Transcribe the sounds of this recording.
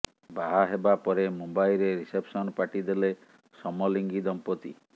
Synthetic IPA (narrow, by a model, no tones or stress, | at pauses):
baɦaɦebapɔɾemumbajɾeɾisepʰsɔnpaʈid̪ele | sɔmɔliŋɡid̪ɔmpɔt̪ḭ